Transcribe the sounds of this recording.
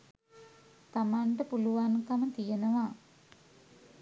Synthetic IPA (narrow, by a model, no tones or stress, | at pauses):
t̪amaɳʈəpuluʋankamət̪ijenəʋa